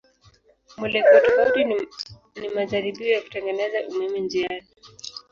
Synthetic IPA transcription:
mwɛlɛkɔwatɔfauti | nimaʄaɾiɓiɔjaku̥tɛŋɡɛnɛzaʔumɛmind͡ʒiani

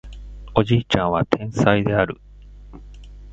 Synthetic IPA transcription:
o̞d͡ʑiːt͡ɕãɰ̃βat̪ʰẽ̞ɰ̃said̪e̞aɾɯ̰

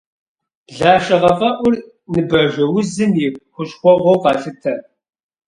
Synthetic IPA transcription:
ɮaːʃəʁɐfɐʔʷʊr | nɨbɐʒɐwʊzɨmjɪxʷʊʃχʷɔʁʷoqɑːɬɨtʰːɐ

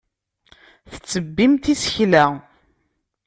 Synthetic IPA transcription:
θə̥t͡sːəbːimt̪isə̥çlæ

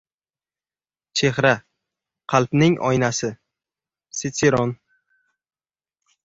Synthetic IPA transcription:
t͡ʃʰehɾa | qʰɑlˠpnɪŋʔɒ̰jnasɪ | set̪ʰeɾɔn

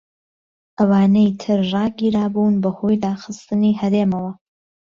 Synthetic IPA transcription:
ʔɐwaːnejt̪ʰɨɾrɑːɡiːɾaːbunbɐho̞jd̪aːxɨst̪ɨniːɦɐɾeːmɐwɐ

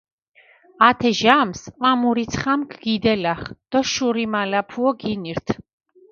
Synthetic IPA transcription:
at̪ʰɛʒamsqʼwamuɾit̪sʰχamkʰɡ̥id̪ɛlaχd̪̥ɔʃuɾimalapʰuɔɡiniɾt̪ʰ

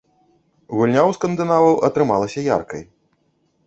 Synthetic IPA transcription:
ɣulʲnʲawskɐnd̪ɨnavɐwʔɐt̪ɾɨmalˠɐsʲɐja̰rkɐ̰j

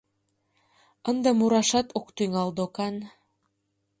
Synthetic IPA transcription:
ɤ̆nd̪ɑmuɾɑʃɑt̪okt̪yŋɑld̪okɑn

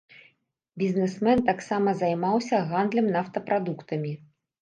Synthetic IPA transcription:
bʲizʲnɛsmɛnt̪aksamɐzajmawsʲɐɣand̪lʲɐmnaft̪ɐpɾad̪ukt̪ɐmʲi

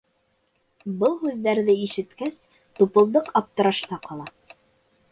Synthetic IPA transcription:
bɤlˠɦʉðːæɾðɘiʃɘ̆t̪kæs | t̪upɤ̆lˠd̪ɤqɑp̚t̪ɤ̆ɾɑʃnɑqɑlˠɑ

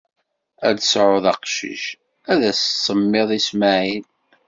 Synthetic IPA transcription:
æ̰d̪sʕʊðɑqʃḭʃ | æðæssːəmːeðˤismæʕin

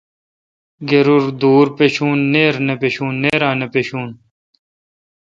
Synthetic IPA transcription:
ɡeɾuɾd̪uːɾpeɕuːnːeːɾnepeɕuːnːeːɾãːnepeɕuːn

